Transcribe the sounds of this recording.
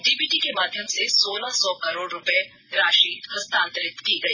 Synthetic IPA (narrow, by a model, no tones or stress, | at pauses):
ɖiːbiːʈikemaːd̪ʱjəmsesoːlasɔːkɐɾoːɽɾʊpe | ɾaːʃiːhɐst̪ãːnt̪əɾɪkt̪kiɡɐiː